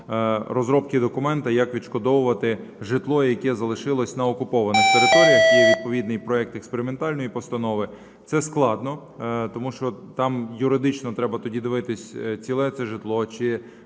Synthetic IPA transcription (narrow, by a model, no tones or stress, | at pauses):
ɾɔzɾɔpkɪd̪ɔkʊmɛnt̪ɐjɐkʋʲiʃkɔd̪ɔwʊʋɐt̪ɪʒɪt̪lˠɔjɐkɛzɐlˠɪʃɪlˠɔsʲnɐɔkʊpɔʋɐnɪxt̪eɾɪt̪ɔɾʲijɐxɛʋʲid̪̚pɔʋʲid̪nɪjpɾɔɛk̚t̪ɛkspeɾɪment̪ɑlʲnɔjipɔst̪ɐnɔʋɪ | t̪sɛsklˠɑd̪nɔ | t̪ɔmuʃt͡ʃɔt̪ɑmjʊɾɪd̪ɪt͡ʃnɔt̪ɾɛbɐt̪ɔdʲid̪ɪʋɪt̪ɪsʲt͡sʲilˠɛt̪sɛʒɪt̪lˠɔt͡ʃɪ